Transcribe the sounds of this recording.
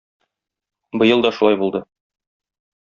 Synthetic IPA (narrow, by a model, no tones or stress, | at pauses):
bɤ̆jɤlˠd̪ɒʃulɑjbulˠd̪ɤ